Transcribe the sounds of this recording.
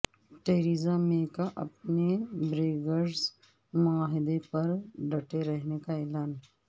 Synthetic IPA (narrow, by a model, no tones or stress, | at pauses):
ʈeːɾiːzamẽkaʔɐ̰pnebɾeːɡəɾz | mʊaːɦɪd̪epɐɾɖɐʈeɾɐɦnekaɛːlaːn